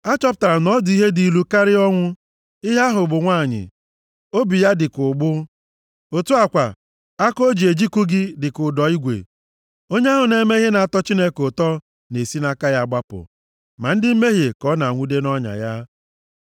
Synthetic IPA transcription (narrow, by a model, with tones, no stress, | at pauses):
a˦t͡ʃɔ˦p̬ʊ˨ta˨ɾa˨nɔ˦dʊ˨i˦ɦe˦di˨lu˦ka˦ɾɪ˦ɔ˦ŋʷʊ˦ | ɪ˦ɦa˦ɦʊ˨bʊ˨ŋʷaː˦˨ɲɪ̰˨ | o˦bi˨ja˦dɪ˨kʊ˨ɡ͡bʊ˦ | o˨tu˦a˨kʷa̰˨ | a˦ko˦d͡ʒi˨e˨d͡ʒi˦ku˦ɡɪ˦dɪ˨kʊ˨dɔ˨i˦ɡʷḛ˨ | o˦ɲe˦a˦ɦʊ˨ne˦me˦ɦe˦na˨a˨tɔ˦t͡ʃi˦ne˦ko˨tɔ˦ | ne˨si˦na˦ka˦ja˦˨ɡ͡ba˦pʊ̰˨ | ma˨n̩˦dɪ˦m̩˦me˦ɦe˨kɔ˦na˨ŋʷu˦de˦nɔ˦ɲa̰˨ja˦